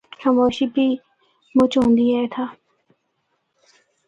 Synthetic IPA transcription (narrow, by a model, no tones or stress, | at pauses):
həmoːʃibiː | mʊt͡ʃɦõːnd̪iːɛːet̪ʰaː